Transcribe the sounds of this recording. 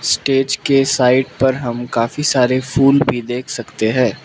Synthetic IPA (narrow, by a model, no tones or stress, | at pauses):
sʈeːd͡ʒkesaːɪʈ̚pɐɾɦɐmkaːfisaːɾefuːlbʱid̪eːkʰsɐkt̪eɦɛ̃ː